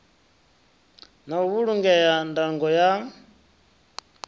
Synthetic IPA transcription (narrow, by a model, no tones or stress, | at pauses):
naβuɺuŋɡɛjandaŋɡɔja